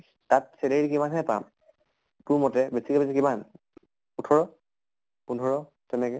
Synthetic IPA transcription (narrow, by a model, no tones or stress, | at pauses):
tatsɛleiɹikimanɦɛpa̰m | puɹmɔtɛbesikɔbesikiman | utʰɔɹɔ | pundʱɔɹɔ | tɛnɛkɛ